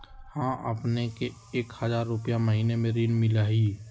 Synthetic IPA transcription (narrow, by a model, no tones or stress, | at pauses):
hãːʔə̰pneke | eːkhəzaːɾːʊpjaməɦiːnemẽɾiːnmɪlaːɦi